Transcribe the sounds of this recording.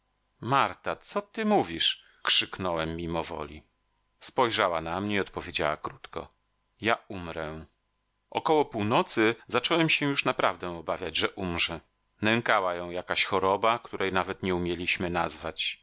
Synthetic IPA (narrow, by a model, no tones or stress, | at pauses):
maɾt̪at̪sɔt̪ɘmuvʲiʂ | kʂɘknɔwɛmːimɔvɔ̰lʲḭ | spɔjʐawanamɲɛiɔt̪pɔvʲjed͡ʑa̰wa̰kɾut̪kɔ̰ | jaumɾɛ | ʔɔ̰kɔwɔpuwnɔt̪sɘzat͡ʂɔwɛmɕɛ̃juʂnapɾavd̪ɛ̃ɔbavʲjad͡ʑʐɛʔumʐɛ | nɛŋkawajɔ̃w̃jakaɕxɔɾɔbakt̪uɾʔɛjnavɛt̪ɲɛumʲjelʲiɕmɘnazvat͡ɕ